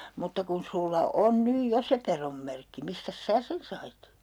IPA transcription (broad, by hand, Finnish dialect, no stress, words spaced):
mutːɑ kun sulːɑ on nyj jo se peromːerkːi mistæs sæː sen sɑit